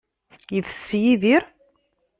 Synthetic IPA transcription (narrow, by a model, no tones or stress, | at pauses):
jiθsːjiðiɾ